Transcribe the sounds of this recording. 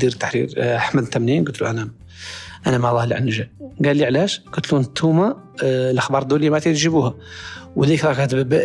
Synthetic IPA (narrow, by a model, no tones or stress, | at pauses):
d̪iɾt̪ːaħɾḭɾaħməd̪nt̪ːæmninɡʊlt̪luʔænæ | ʔænæmaʕlˤːɑhəlʕə̰nʒæɡælːiʕlæʃɡ̥ʊt̪lunt̪ʰːuma | lʔəxbɑɾˤd̪ulijmæt̪ɾʒəbuhæwd̪ikɾˤɑɡæt̪bəb